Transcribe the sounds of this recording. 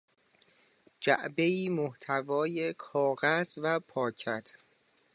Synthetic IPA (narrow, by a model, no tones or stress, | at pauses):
d͡ʒæ̰ʔbe̞iːmoht̪ʰævɒːje̞kʰɒːɣæzvæpʰɒːcʰæt̪ʰ